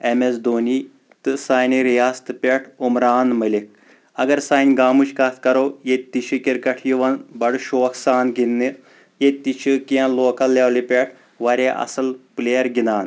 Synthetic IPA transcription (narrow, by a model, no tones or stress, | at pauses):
emesd̪oːni | t̪ɨsaːniɾjaːst̪ɨpʲeʈʰumɾaːnmɐlik̚ | ɐɡɐɾsaːnʲɡaːmuʃkaːt̪ʰkɐɾoːjet̪ːit͡ʃʰɨkiɾkɐʈʰjiʋɐnbɐɽʃoːksaːnɡinːɨ | jet̪ːit͡ʃʰɨkiãloːkɐlːewlipʲeʈʰ | ʋɐɾʲeʔɐ̰sɐlpleːɐɾɡinaːn